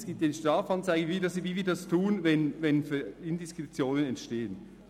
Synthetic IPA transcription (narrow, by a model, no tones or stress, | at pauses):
sɡ̥iːp̚tanʃtʁɑːfɑnt͡saɪɡəvidɑsviːviːɐdɑstʰuːənvɛnvɛnfyɪndɪskʁ̥ɛt͡sjoːnənɛntʃteːən